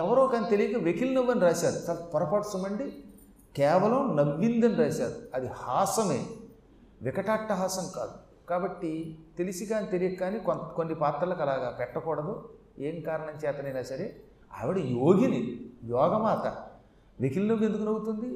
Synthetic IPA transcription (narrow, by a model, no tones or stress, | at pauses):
ɛʋɐɾoːkaːnit̪elijɐkɐʋekilnɐʋːɐniɾaːsaːɾut̪ɐlpɐɾɐpɐʈsumɐɳɖi | kɛːʋɐlɐmnɐʋːind̪ɐniɾaːsaːɾuɐd̪ihaːsɐmḛː | ʋɪkɐʈaːʈːɐɦaːsɐmka̰ːd̪u | kaːbɐʈːit̪elisikaːnit̪elijɐaːnikkonːipaːt̪ɾɐlɐkɐlaːɡaːpɛʈːɐkɔːɽɐd̪oː | eːŋkaːɾɐɳɐmt͡ʃɛːt̪ɐnɐjnaːsɐɾe | ɐ̰ʋɐɽijoːɡinijɔːɡɐmaːt̪ɐ̰ | ʋekilnɐʋe̞nd̪ukunɐɡut̪und̪i